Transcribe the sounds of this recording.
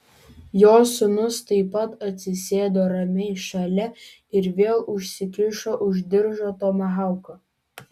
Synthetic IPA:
joːsʲʊnʊst̪ɐɪpɐt̪ɐt̪ʲsʲɪsʲeːd̪oːɾɐmʲɛʃɐlʲɛ | ɪɾʋʲeːlˠʊʃʲsʲɪkʲɪʃoːʔʊʒʲd̪ʲɪɾʒoːt̪oːmɐɦɑˑʊko

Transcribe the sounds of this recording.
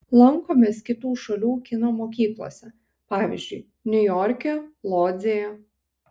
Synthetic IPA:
lˠɐŋkoːmʲeːskʲɪt̪uːʃɐlʲuːkʲɪnoːmoːkʲiːklˠo̰ːsʲɛ | pɑːʋʲḭzʲd͡ʒʲʊɪ | nʲʊjoːɾʲkʲɛlˠoːzʲejɛ

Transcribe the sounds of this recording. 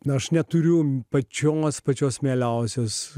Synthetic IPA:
ɐʃnʲɛt̪ʊɾʲʊpɐt͡ʃʲoːspɐt͡ʃʲoːsmʲeːlʲɛʊsʲoːs

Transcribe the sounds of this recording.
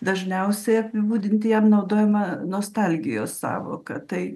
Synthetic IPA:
d̪ɐʒʲnʲɛʊsʲɛɪɐpʲɪbuːd̪ʲɪnʲt̪ʲɪjɛmnɐʊd̪oːjɛmɐnoːst̪ɑlʲɡʲɪjo̰ːssɑ̰ːʋo̰ːkɐ̰t̪ɐɪ

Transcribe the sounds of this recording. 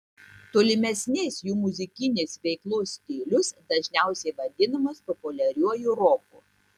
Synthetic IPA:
t̪oːlʲɪmʲɛsʲnʲeːsjuːmʊzʲɪkʲɪnʲesʋʲɛɪklˠoːsʲt̪ʲɪːlʲʊsd̪ɐʒʲnʲæˑʊsʲɛɪʋɐd̪ʲɪnɐmɐspɔpʊlʲɛɾʲuɔjuɾoːkuː

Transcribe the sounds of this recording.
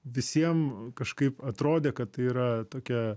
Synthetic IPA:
ʋʲɪsʲiɛmkɐʃkɐɪpɐt̪ɾoːd̪ʲeːkɐt̪̚t̪ɐɪiːɾɐt̪oːkʲɛ

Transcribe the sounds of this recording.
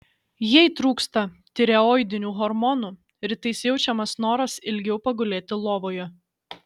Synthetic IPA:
jɛɪt̪ɾuːkst̪ɐ | t̪ʲɪɾʲɛɔɪd̪ʲɪnʲuːɣɔɾmɔnuː | ɾʲɪt̪ɐɪsʲjɛʊt͡ʃʲɛmɐsnoːɾɐsɪlʲɡʲɛʊpɐɡʊlʲeːt̪ʲɪlˠoːʋoːjɛ

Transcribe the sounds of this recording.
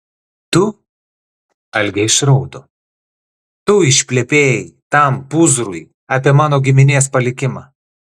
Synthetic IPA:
t̪ʊ | ɐlʲɡʲɛɪʃɾɔʊd̪o | t̪ʊɪʃʲpʲlʲɛpʲeːjɪt̪ɐmpʊzɾʊj | ɑpʲiɛmɑːnoːɡʲɪmʲɪnʲeːspɐlʲɪkʲɪmɑ̰ː

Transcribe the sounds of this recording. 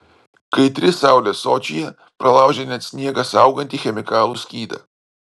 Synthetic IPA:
kəjt̪ɾisawlʲɛsɔt͡ʃijɛ | pɾɛlˠawʒɛnʲɛt̪snʲjeːɡasawɡɐnʲt̪ixɛmikaːlˠuskiːd̪ɐ̰

